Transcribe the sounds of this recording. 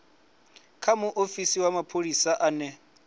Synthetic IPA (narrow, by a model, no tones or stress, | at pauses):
kʰamuʔofisiwamapʰolisaʔaːnɛ